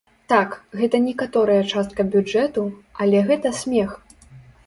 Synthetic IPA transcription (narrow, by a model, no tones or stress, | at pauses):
t̪akɣɛt̪ɐnʲɛkat̪ɔɾɐjɐt͡ʂast̪̚kɐbʲud͡ʐɛt̪uɐlʲɛɣɛt̪ɐsʲmʲɛx